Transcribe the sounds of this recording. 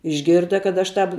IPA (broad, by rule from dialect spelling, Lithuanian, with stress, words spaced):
ɪʒʲˈɡʲɪrdɐ kɐt ɐʃ ˈtɐp